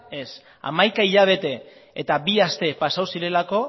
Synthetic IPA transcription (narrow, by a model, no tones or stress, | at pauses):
e̞s | a̰majkaiʎaβ̞e̞t̪e̞ːt̪abiast̪e̞pasawsiɾe̞lako̞